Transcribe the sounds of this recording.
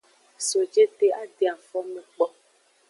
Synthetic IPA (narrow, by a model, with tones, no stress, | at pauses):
so˨d͡ʒe˦t̪e˦a˦de˨a˨fɔ˦mẽ˨k͡pɔ˦